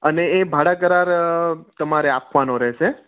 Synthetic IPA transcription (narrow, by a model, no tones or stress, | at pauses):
əneːbʱaɽakəɾaɾt̪əmaɾeapʰʋanoɾɛɦʃe